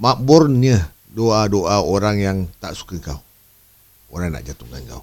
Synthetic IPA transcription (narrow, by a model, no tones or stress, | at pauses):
mabʊrɲə | doadoʔaoɾaŋjaŋt̪aʔsu̥kəŋkaw | oɾaŋna̰ʔd͡ʒat̪ʊkanŋka̰w